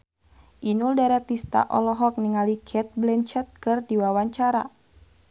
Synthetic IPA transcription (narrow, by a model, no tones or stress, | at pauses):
ʔinuldaɾɛt̪ist̪a̰ʔɔlɔɦɔk̚niŋalikʰɛt̪̚blɛnt͡ʃɛt̪̚kɨrdiwawaɲt͡ʃaɾa